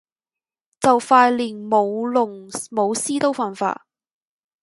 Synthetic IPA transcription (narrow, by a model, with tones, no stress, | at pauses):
t͡sɐ˨wfaː˧jliː˨˩nmo˨˧wlʊ˨˩ŋmo˨˧wsiː˥t̪o˥wfaː˨nfa̰ː˧